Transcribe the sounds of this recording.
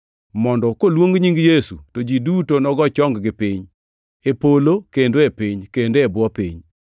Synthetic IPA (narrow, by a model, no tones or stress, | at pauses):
mɔndɔkolwoŋɡɲiŋɡjesṵtod͡ʒidutonɔɡɔt͡ʃɔŋɡɡɪpɪɲ | epolokendoepɪɲkendoebwɔpḭɲ